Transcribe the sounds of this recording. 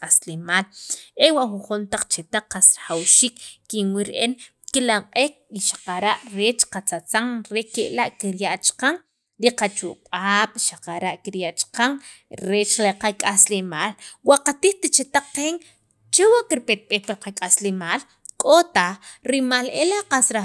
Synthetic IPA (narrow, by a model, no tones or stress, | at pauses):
kʼaslemaːlewaʔxuɴχunt̪aq͡χt͡ʃet̪aq͡χːasɾḁχawʃiːkːinwiɾʔen | kilaɴqʼeːk̚iʃḁqaɾaʔɾet͡ʃqat͡sat͡saŋɾekeʔlaʔkiɾjaʔt͡ʃḁqaŋ | ɾiqat͡ʃṵʔɓ̥aːɓ̥ʃaqaɾaʔkiɾjaʔt͡ʃqaŋ | ɾeːt͡ʃlaqakʼaslemaːlwaʔqat̪iːχt̪it͡ʃet̪aq͡χːeːŋ | t͡ʃewaʔkiɾpet̪̚ɓeːhpiɾqakʼaslemaːl | kʼot̪aɾimaːlelaqasɾa